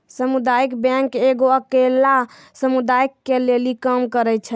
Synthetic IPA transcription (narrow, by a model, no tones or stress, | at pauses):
səmud̪ajikbɛ̃ŋkeɡoəkela | səmud̪ajikːelelikəmkəɾət͡ʃʰə